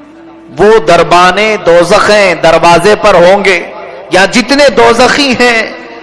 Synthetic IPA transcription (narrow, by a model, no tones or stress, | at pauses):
ʋoːd̪ɐɾbaːnẽd̪ɔːzəxɛ̃d̪ɐɾʋaːzepɐɾɦõːŋɡeːjad͡ʒɪt̪ned̪ɔːzəxĩɦɛ̃ː